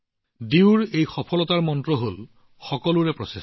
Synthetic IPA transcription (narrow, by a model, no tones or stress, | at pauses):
diwɹejxɔpʰɔlɔtaɹmɔntɹɔɦol | xɔkɔlʊɹɛpɹɔses